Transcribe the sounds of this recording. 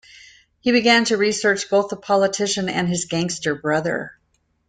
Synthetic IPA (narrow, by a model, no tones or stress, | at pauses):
hibɨɡæ̃ntʰɨɹisɜ˞t͡ʃb̥oʊθðəpʰɑlˠətʰɪʃɨ̃nɨ̰̃nɨzɡæ̃ŋstə˞bɹʌðə̰˞